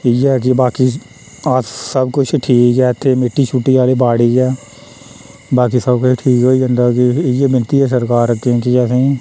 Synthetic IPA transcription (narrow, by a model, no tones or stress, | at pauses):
ɪjɛːk̬ibaːki | aːt̪səbkʊt͡ʃʰʈʰiːkɛːt̪ʰːeːmɪʈːit͡ʃʰuːʈːiaːlebaːɽiːkɛː | baːkisəbkʊt͡ʃʰʈʰiːkɦoːiə̃nd̪aːkijeːbɪnt̪iɛːsəɾkaːɾəkːẽkikɛːsẽː